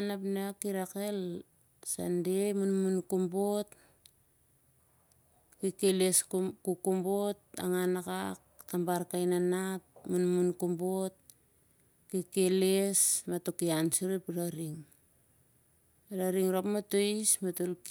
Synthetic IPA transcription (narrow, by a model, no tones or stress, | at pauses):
anapnakiɾakel | sa̰ndemunmunkumbot | kikeleskukumbot̚a̰ŋanakakːambaɾkajnanat̚munmunkumbot̚ | kikelesmatokiansuɾipɾaɾiŋ | ɾaɾiŋɾopmatoismatolk